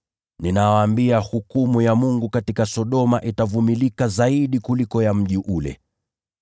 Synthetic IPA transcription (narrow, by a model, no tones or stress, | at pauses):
ninawaːmbiahukumujamuŋɡukatikasɔɗɔmaʔitavumilikazaiɗikulikɔjam̩ʄiʔulɛ̰